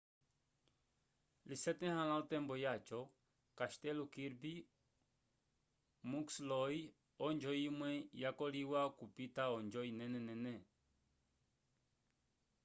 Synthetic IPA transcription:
lisɛt̪ɛ̃hãlãut̪ɛmbɔjat͡ʃɔ | kaʃt̪ɛlukiɾbi | mukslɔi | ɔnd͡ʒɔimwɛjakɔliwakupit̪aɔɲd͡ʒɔinɛnɛnɛnɛ

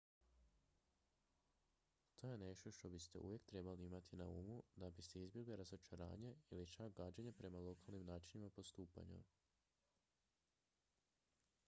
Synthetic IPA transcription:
t̪ʰo̞ːje̞ne̞ʃt̪o̞ʃt̪o̞bist̪eʔṵʋje̞kt̪ɾe̞baliimat̪ʰinaumud̪abist̪e̞izbje̞ɡliɾazo̞t͡ʃaɾa̰ːɲe̞ilit͡ʃak̚ɡaːd͡ʑeɲepɾe̞malˠo̞kalˠnimnaːt͡ʃinimapo̞st̪uːpa̰ɲṵ

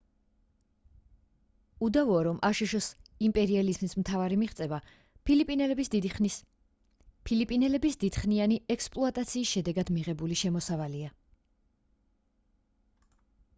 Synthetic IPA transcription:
ud̪avɔːɾɔmʔaʃuʃɔsimpʼɛɾializmismt̪ʰavaɾimiχt̪sʼɛva | pilipʼinɛl | pʰilipʼinɛlɛbisd̪id̪̥χnianiʔɛkspʼlˠɔat̪ʼat̪sʰiːsʃɛd̪ɛɡad̪miʁɛbuliʃɛmɔsavalia

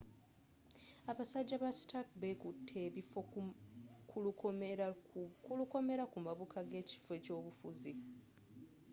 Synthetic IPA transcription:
aβasaɟːaβastakbekutʰːe̞ːβifo | kulu | kuluko̞me̞ɾakumaβukʰaɡe̞ːci̥feco̞ːβufuzi

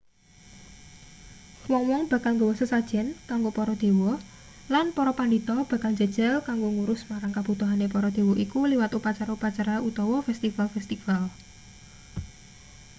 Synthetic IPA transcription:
wɔŋwɔŋb̥a̤kalŋɡowəsəsad̥ʒ̥ɛ̤nkaŋɡopɔɾɔd̪̥e̤wɔ | lanpɔɾɔpaɳɖit̪ɔb̥ä̤kald͡ʒə̤d̥ʒ̥ɛ̤lkaŋɡoŋuɾʊsmaɾaŋkab̥ṳt̪uɦanepɔɾɔd̪̥e̤wɔʔikuliwat̪upat͡ʃaɾaupat͡ʃaɾaʔut̪ɔwɔfɛst̪ifalfɛst̪ifal

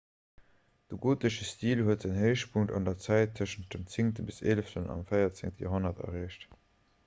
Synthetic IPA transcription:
d̥əɡuːtəʃəstiːlhuətz̥əŋhəɪʃpʰuŋtɑ̰ndɐt͡sæɪtʰːəʃən̩t̚dəmt͡sɪŋtəbiseləftənɑ̰mfɜɪɐt͡sɪŋtəjo̰ːɦonɐtʰɐ̰ʁeːɕt

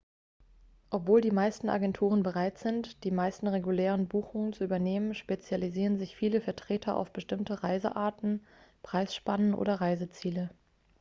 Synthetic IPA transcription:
ʔɔpv̥oːldiːmaɪstn̩ʔa̰ɡɛntʰuːʁ̞ənbəʁaɪtz̥ɪntd̥iːmaɪstn̩ʁeɡuleːʁənbuːxʊŋənt͡suʔyːbɐneːmənʃpet͡sjaliziːʁənzɪçfiːləfɛɐtʁ̥eːtʰɐʔa̰ʊfb̥əʃtɪmtəʁaɪzə̰ʔaːɐtn̩ | pʁ̥aɪsʃpanənʔo̰ːdɐʁaɪzət͡siːlə

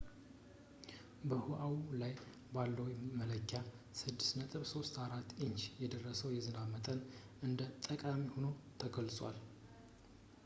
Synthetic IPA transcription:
bəhuʔawlaj | balːəwmələkʰːasɨd̪ːɨsnət̪ʼɨβso̞st̪aɾat̪ːʔɨɲt͡ʃjɛd̪ərːəsəwjɛzɨnaβmət̪ʼən | ʔɨnd̪ət̪ʼəkʼamiho̞no̞t̪ʰəɡəlsʼwa̰l

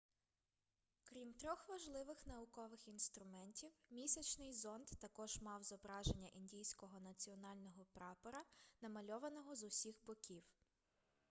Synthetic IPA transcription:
kɾʲimt̪ɾʲɔxʋɐʒlˠɪʋɪxnɐʊkɔʋɪxinst̪ɾʊmɛnʲtʲiwmʲisʲɐt͡ʃnɪjzɔnd̪t̪ɐkɔʒmɑwzɔbɾɑʒe̞nʲːɐʔinʲdʲijsʲkɔɦɔnɐt͡sʲiɔnɑlʲnɔɦɔpɾɑpɔɾɐnɐmɐlʲɔʋɐnɔɦɔzʊsʲixbɔkʲiw

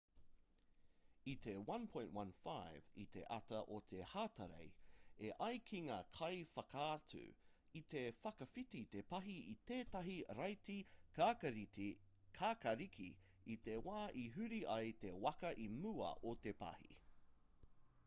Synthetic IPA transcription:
it̪ewɐ̃npʰɔ̃j̃nʔwɐ̃nfajvḭt̪ḛʔɐtɐʔot̪ʰehaːtɐɾḛjeʔɐjkʰiŋaːkʰɐjfɐkaːtʰʉ̰ | it̪efɐkɐfitit̪epɐɦiit̪eːtɐɦiɾɐjtikaːkɐɾiti | kʰaːkɐɾikʰḭ | it̪ewaːʔiɦʉɾiʔɐjt̪ewɐkɐʔimʉɐ̰ʔot̪epɐ̰hḭ

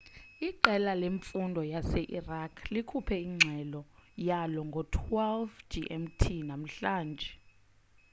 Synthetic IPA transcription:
iǃɛlaleɱfundʱɔjasɛʔirakʰlikʰupʰɛiŋ͡ǀʱɛlɔjalɔŋɡʱɔtʰwɛlvd͡ʒiʔɛmtʰinam̩ɬaːnd͡ʒʱɛ

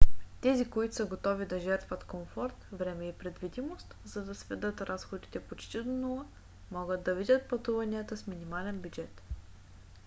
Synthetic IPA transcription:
t̪ɛzikoit̪osəɡot̪ɔvid̪ɐʒɛɾt̪vɐt̪komfɔɾt̪vɾɛmɛipɾɛd̪vid̪imost̪zɐd̪ɐsvɛd̪ɤt̪ɾasxod̪it̪ɛpot͡ʃt̪id̪onulˠə | mɔɡəd̪ːɐvid̪ʲət̪̚pɐt̪uvɐniət̪əsminimalɛnbʲjud͡ʒɛt̪

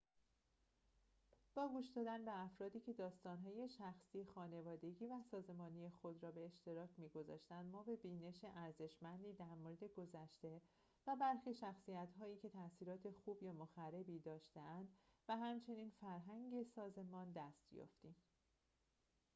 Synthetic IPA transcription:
b̥ɒːɡuːʃd̪ɒːd̪ænbe̞æfɾɒːd̪iːcʰe̞d̪ɒːst̪ɒːnɦɒːje̞ʃæxsiːexɒːne̞vɒːd̪e̞ɟiːvæsɒːze̞mɒːnije̞xo̞d̪ɾɒːbe̞ːʃt̪e̞ɾɒːcʰmiːɡo̞zɒ̰ːʃt̪ænd̪mɒːbe̞biːne̞ʃeʔæɾze̞ʃmænd̪iːd̪æɾmoɾe̞d̪e̞ɡo̞zæʃt̪e̞ | væbæɾxiʃæxsijæt̪ʰɦɒːjiːcʰe̞t̪ʰæsiːɾɒːt̪ʰe̞xuːbjæmoxære̞biːd̪ɒːʃt̪e̞ænd̪væɦæmt͡ʃʰe̞niːnfæɾɦæŋɟe̞sɒːze̞mɒːnd̪æst̪jɔ̰ːft̪im

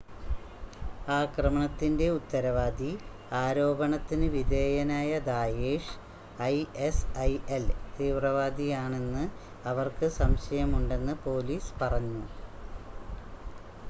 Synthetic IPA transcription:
aːkrɐmɐɳɐt̪ːinde̞ut̪ːɐɾɐʋaːd̪i | aːɾo̞ːbɐɳɐt̪ːinɨʋid̪eːjɐnaːjɐd̪aːjeːʂ | ɐjesɐjelt̪iːʋrɐʋaːd̪ijaːɳe̞nːɨ | ɐʋɐrkɨsɐmɕɐjɐmuɳɖe̞nːɨpo̞ːliːspɐrɐɲːu

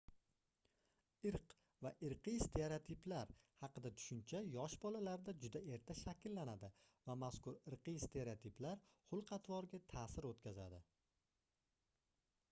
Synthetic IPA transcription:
ɪɾq | vaʔɪɾqist̪ʰe̞ɾeot̪ʰiplaɾhɑqɨd̪at̪ʰʊ̥ʃʊnt͡ʃʰajɒʃbɒlalaɾd̪ad͡ʒʊd̪ae̞ɾt̪ʰaʃakʲlːanad̪ɪvamaskʊɾɪɾqɨst̪ʰe̞ɾeot̪ʰiplaɾhʊlˠqʰɑt̪vɒɾɡʲat̪ʰaːsɪɾot̪kʲʰaza̰d̪ɪ

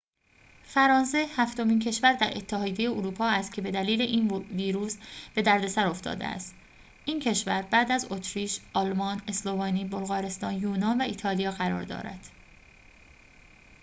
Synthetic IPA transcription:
fæɾɒːnse̞hæft̪o̞miːncʰe̞ʃvæɾd̪æɾʔe̞̰t̪ʰːehɒːd̪jeje̞oɾuːpʰɒːæst̪̚cʰe̞be̞d̪æliːle̞ʔiːnviːɾuːsb̥e̞d̪æɾd̪e̞sæɾo̞ft̪ʰɒ̰ːd̪ḛæ̰st̪ | ʔiːncʰe̞ʃvæɾbæːd̪æzo̞t̪ʰɾiːʃʔɒlmɒːne̞slo̞vɒːniːbo̞lɣɒːɾe̞st̪ɒːnjuːnɒːnvæiːt̪ʰɒːlijɒːɣæɾɒ̰ːɾd̪ɒ̰ːɾæ̰d̪̥

